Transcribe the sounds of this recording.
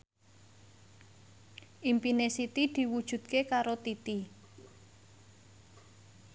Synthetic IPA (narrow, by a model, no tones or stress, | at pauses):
ʔimpinesit̪id̪̥i̤wud̥ʒ̥ṳd̪̥̚kekaɾot̪it̪i